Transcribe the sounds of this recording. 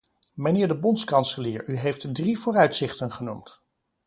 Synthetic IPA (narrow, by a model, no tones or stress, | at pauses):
mənɪːɹdəbɔntskɑnsəlɪːɹyɦejftdrivʊːrœɥtsɪχtənχənumt